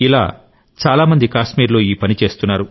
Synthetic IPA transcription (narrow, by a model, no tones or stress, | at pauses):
ila̰ː | t͡ʃaːlaːmɐnd̪ikaːʃmiːɾlo̞ːiːpɐnit͡ʃe̞ːst̪unːaːɾu